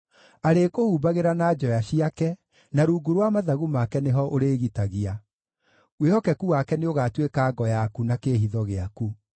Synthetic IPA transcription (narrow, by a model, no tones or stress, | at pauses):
aɾekohuːbaɣeɾanaːd͡ʒɔjaɕiakɛ | naɾuːɡuɾwamaðaɣumakɛneɦɔʔoɾeːɣitaɣia | wehɔkɛkuwakɛneoɣaːtwekaːɡɔjakunakeɦiðɔɣeaku